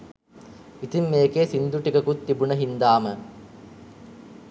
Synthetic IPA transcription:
it̪imːeːkeːsind̪uʈikɐkut̪ːibuɳəɦind̪aːmə

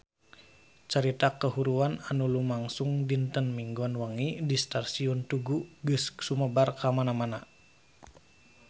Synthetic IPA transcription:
t͡ʃəɾit̪akəɦuɾuananulumaŋsuŋdint̪ənmiŋɡuanwaŋidist̪asiɔnt̪uɡuɡɨssuməbarkamanamana

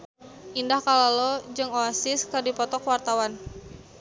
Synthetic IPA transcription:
ʔindahkalalɔd͡ʒɨŋoasɪskɨrdipɔt̪ɔkwart̪awan

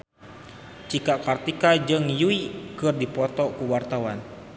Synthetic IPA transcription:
t͡ʃikakart̪ikad͡ʒɨŋjuikɨrdipɔt̪ɔkuwart̪awan

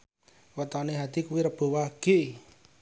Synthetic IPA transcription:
wət̪ɔneɦad̪i̤kuwiɾəb̥o̤waɡ̥e

